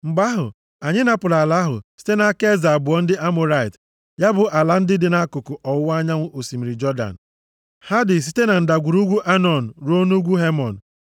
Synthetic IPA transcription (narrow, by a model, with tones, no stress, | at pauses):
ŋ͡m̩˨ɡ͡ba˦ɦʊ˨ | a˨ɲɪ˦na˨pʊ˨la˨la˦ɦʊ̰˨si̥˦te˦na˨a˦ke˦za˨a˨bʊ˨ɔ˦n̩˦dɪ˦ʔa˦mʊ˦ɾa˦˨i˨t | ja˦bʊ˨ʔa˨la˦n̩˦dɪ˦dɪ˨na˦kʊ˨kʊ˨ʔɔ˨ʊ˦a˦ɲa˦ŋʷʊ˦o˨si˨mi˨ɾi˨d͡ʒɔ˦da̰˨n̩˨ | ha˦dɪ˨s̬i̥˦te˦na˨n̩˨da˨ɡʷu˨ɾu˦ɡʷu˦ʔa˦nɔ˨n̩˨ɾo˦nu˦ɡʷu˦ɦe˦mɔ˨n̩˨